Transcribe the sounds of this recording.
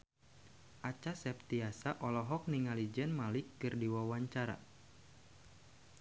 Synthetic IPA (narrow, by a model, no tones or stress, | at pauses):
ʔat͡ʃasɛp̚t̪iasaʔɔlɔɦɔk̚niŋalid͡ʒɛnmalikːɨrdiwawaɲt͡ʃaɾa̰